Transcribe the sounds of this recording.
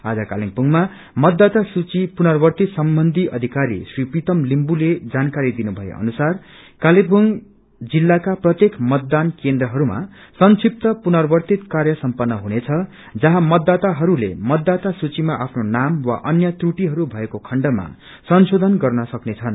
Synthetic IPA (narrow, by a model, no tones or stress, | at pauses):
a̰d͡zʌkaliŋpuŋma | mʌd̪ːat̪asut͡sipunʌrbʌrt̪it̪sʌmbʌnd̪ʱiʔʌd̪ʱikaɾḭsripit̪ʌmlimbuled͡zankaɾid̪inubʱʌjḛʔʌ̰nusar | kalibuŋ | d͡zilːakaprʌt̪jekmʌt̪̚d̪ankend̪rʌɦʌɾuma̰sʌnsip̚t̪ʌpunʌrbʌrt̪it̪karjʌsʌmpʌnːʌɦunet͡sʰʌ | d͡zʌɦãmʌd̪ːat̪aɦʌɾulḛmʌd̪ːat̪asut͡simaʔapʰnonamwa̰ʔʌnjʌt̪ruʈiɦʌɾubʱʌekokʰʌɳɖʌma̰ | sʌnsod̪ʱʌnɡʌrnʌsʌknet͡sʰʌn